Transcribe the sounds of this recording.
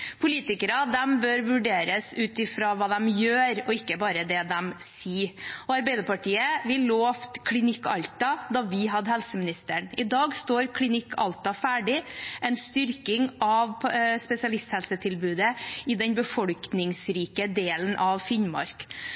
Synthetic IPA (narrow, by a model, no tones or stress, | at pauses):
pʰʊliːt̪ɪkəɾɑd̪ɛmbøɾʋʉɖeːɾəsʉːt̪ɪfɾɑːʋɑːd̪ɛmjøːɾɔɪkːəbɑːɾəd̪ɛd̪ɛmsiːɔɑɾbɛɪd̪əɾpɑʈiːəʋɪlːoːft̪kʰlɪnɪkːɑ̰ʎt̪ɑd̪ɑʋɪɦɑd̪ɦɛlsəmɪnɪst̪əɳɪd̪ɑːɡst̪oːɾkʰlɪnɪkʰːɑ̰lt̪ɑfæːɖɪʔɛnst̪ʏɾkɪŋɑʋspɛsɪɑlɪst̪hɛlsət̪ʰɪlbʉːd̪əɪd̪ɛnbəfɔlknɪŋsɾiːkəd̪eːlənʔɑʋfɪnmɑ̰ɾk